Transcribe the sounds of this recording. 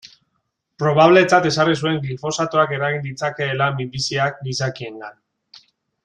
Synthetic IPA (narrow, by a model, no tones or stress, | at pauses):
pɾo̞β̞aβ̞le̞t͡sat̪e̞sarisue̞ŋɡlifo̞sat̪oake̞ɾaɣind̪it͡sake̞ːlamimbisiak̚d̪isakie̞ŋɡan